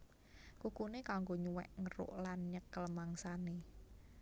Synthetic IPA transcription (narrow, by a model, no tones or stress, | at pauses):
kukunekaŋɡoɲuwɛ̰ʔŋəɾo̰ʔlanɲəkəlmaŋsane